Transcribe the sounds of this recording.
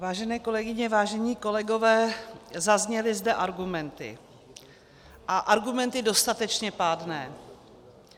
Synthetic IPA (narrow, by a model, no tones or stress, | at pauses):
vaːʒɛnɛːko̞lɛɡɪɲɛvaːʒɛɲiːko̞lɛɡo̞vɛːzazɲɛlɪzdɛʔaɾɡumɛnt̪ɪ̰ | ʔaʔaɾɡumɛnt̪ɪdo̞st̪at̪ɛt͡ʃɲɛpadnɛː